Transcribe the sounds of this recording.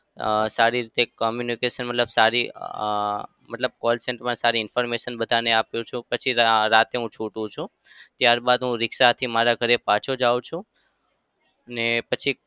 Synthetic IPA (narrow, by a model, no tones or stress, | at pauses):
saɾiɾit̪ekɔmjunikeʃənmət̪ləbsaɾi | mət̪ləb̚kɔlsɛɳʈpəɳsaɾiɪnfɔɾmeʃənbəd̪ʱaneapjũt͡ʃʰũpət͡ʃʰiɾat̪eɦũt͡ʃʰuʈũt͡ʃʰũ | t̪jaɾbad̪ɦũɾɪkʃat̪ʰimaɾaɡʱəɾepãt͡ʃʰod͡ʒaʋũt͡ʃʰũ | ənepət͡ʃʰi